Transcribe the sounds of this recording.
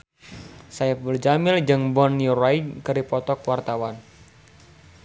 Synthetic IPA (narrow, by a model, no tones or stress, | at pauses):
sajabərd͡ʒamɪld͡ʒɨŋbɔnuɾajkəɾipɔt̪ɔkwart̪awan